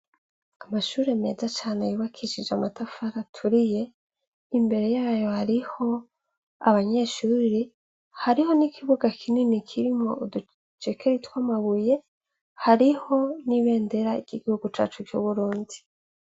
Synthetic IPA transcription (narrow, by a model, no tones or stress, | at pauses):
amaʃuːɾe̞me̞ːzat͡ʃaːnejuːβakʰiʃid͡ʒeamatafaɾatʰuɾije̞ | imbe̞ɾe̞jaːjo̞haɾiho̞ | aβaɲe̞ːʃuːɾi | haɾiho̞nikʰiβuɡakʰininikʰiɾimŋo̞̰udu | t͡ʃekeɾitwaːmaβuje̞ | haɾiho̞niβe̞ːnde̞ɾaiɾɟ̥iɡihuɡut͡ʃa̰ːt͡ʃuɾjuβuɾuːndi